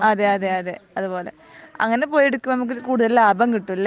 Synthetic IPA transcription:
aːðeaːðeaːðeɐðupo̞ːlḛ | ɐ̰ŋːɐnepo̞ːjeɽukːumnɐmuk̬ːɾkuːɽuðɐlaːbɐŋkiʈːulː

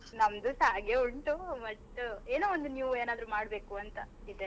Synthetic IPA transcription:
nɐmd̪usaːɡeuɳʈuʋɐʈːeːnoːond̪unijuːʋeːnaːd̪ɾumaːɽbe̞ːkuɐnt̪ɐid̪e

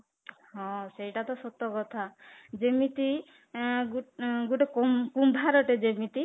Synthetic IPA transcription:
ɦɔ̃sejʈat̪ɔsɔt̪ːɔkɔt̪ʰad͡ʒemit̪i | uɡuʈekɔmkumbʱaɾɔʈed͡ʒemit̪i

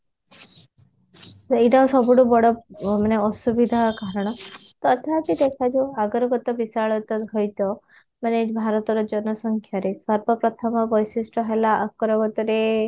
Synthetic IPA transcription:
sejɖaũsɔbuɽubɔɽɔmaneɔsubid̪ʱakaɾɔɽ̃ɔt̪ɔt̪at̪id̪ekʰad͡ʒuaɡɔɾɔɡɔt̪ɔbisaɭɔt̪ɔɦɔjt̪ɔ | manebʱaɾɔt̪ɔɾɔd͡ʒɔnɔsɔŋkʰjaɾesɔɾbɔpɾɔt̪ʰɔmɔbɔjsisʈɔɦelaʔakɔɾɔɡɔt̪ɔɾe

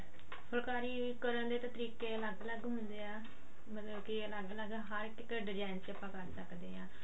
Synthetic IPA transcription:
pʰəlkaːɾiː | kəɾənd̪eːt̪ət̪əɾiːkeːləɡləɡɦʊnd̪eːaː | mət̪ləbkiləɡləɡɦəɾʈɪkəɖɪd͡ʒaːnt͡ʃəpãːkəɾsəkd̪eːãː

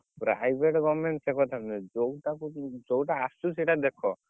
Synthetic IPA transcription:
pɾa̰jbʱeʈɡɔmeɳʈsekʰɔt̪ʰamned͡ʒowʈakud͡ʒowʈaːsuseʈad̪ekʰɔ

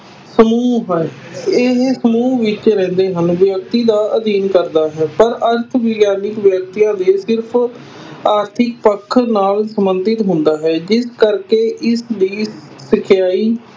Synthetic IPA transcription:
səmuːɦəneɦsəmuːʋɪt͡ʃɾɛ̃ːnd̪eːɦənʋjək̚t̪iːd̪aːʔəd̪iːnkəɾd̪aːɦɛːpəɾəɾt̪ʰʋɪɡjaːnɪkʋjək̚t̪ijãːd̪eːsɪɾpʰ | aːɾt̪ʰɪk̚pəkʰːnaːlsəmbənd̪ɪt̪ɦʊnd̪aːɦɛːd͡ʒɪskəɾkeːʔɪsd̪iː | sɪkʰjaːiː

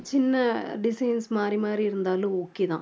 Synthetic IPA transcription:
t͡ʃɪnːɐɖɪsɐjnsmaːrimaːriɪɾɯnd̪aːlʊ̃oːkːiðã̰ː

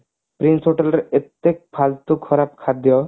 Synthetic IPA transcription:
pɾinsɦoʈelɾet̪ːek̚pʰalt̪ukʰːɔɾap̚kʰad̪jɔ

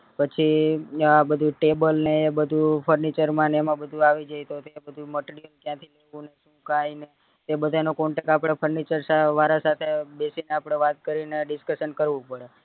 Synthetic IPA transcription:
pət͡ʃʰiabəd̪ʱuʈebəlneebəd̪ʱupʰəɾnit͡ʃəɾmãnemãbəd̪ʱuaʋid͡ʒajt̪ot̪ebəd̪ʱuməʈɾijəlk̪jãt̪ʰileʋũneʃũkaine | t̪ebəd̪ʱanokɔɳʈəkapɽ̃epʰəɾnit͡ʃəɾsaʋaɾasat̪ʰebesineapɽ̃eʋat̪̚kəɾineɖɪskəʃənkəɾʋũpəɽe

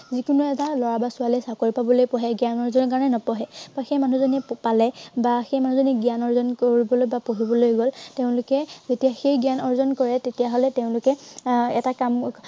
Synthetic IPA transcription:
zikʊnuɛtalɔɹabasʊalɛsakoɹipabɔlojpɔɦɛɡijanɔɹizɔnɔkaɹɔnɛnɔpɔɦɛb̥axejmanuzɔnipalɛbaxejmanuzoniɡijanɔɹzɔnkoɹibɔlojbapoɦibɔlojɡɔlteʊ̃lʊkɛzetijaxejɡianɔɹzɔnkɔɹɛtetijaɦɔlɛteʊ̃lʊkɛɛtakam

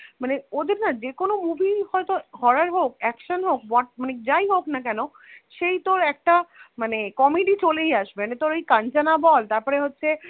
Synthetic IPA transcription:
maneod̪eɾnad͡ʑekonomubʱihɔet̪ohɔɾaɾɦokɛkʃonɦok̚bɔʈ̚maned͡ʑajɦoknakɛno | ʃejt̪oɾɛk̚ʈamanekɔmeɖit͡ɕoleijaʃbenet̪oɾojkãnt͡ɕanabɔlt̪aɾpɔɾeɦotːɕʰe

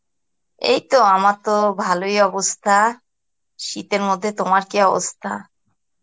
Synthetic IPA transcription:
ḛjt̪oamat̪obʱalojɔbost̪ʰa | ʃit̪eɾmod̪ʱːet̪omaɾkiɔbo̰st̪ʰa̰

